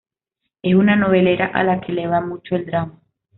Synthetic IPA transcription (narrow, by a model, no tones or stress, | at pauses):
e̞sunano̞β̞e̞le̞ɾaʔa̰lakʰe̞leβ̞amut͡ʃoeld̪ɾama